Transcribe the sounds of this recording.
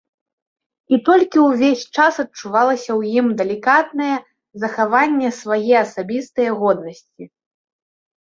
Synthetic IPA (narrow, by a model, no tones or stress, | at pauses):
it̪ɔlʲkʲiwvʲesʲt͡ʂasɐt̪̚t͡ʂuvalˠɐsʲɐwjimd̪ɛlʲikat̪nɐjɛ | zɐxavanʲːɛsvajɛɐsabʲist̪ɨjɛɣɔd̪nɐsʲt͡sʲi